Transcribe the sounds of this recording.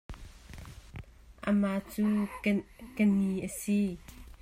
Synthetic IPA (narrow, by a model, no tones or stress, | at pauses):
ʔəmaʔt͡suː | kəniʔəsi